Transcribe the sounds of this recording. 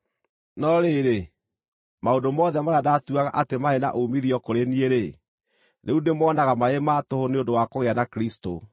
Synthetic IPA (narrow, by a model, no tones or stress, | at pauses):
nɔɾeːɾe | maondomɔðɛmaɾadatuaɣa̰ʔatemaena̰ʔoumiðiɔkoɾenieɾe | neundemɔːnaɣamaematohoneondowakoɣeanakɾisto̰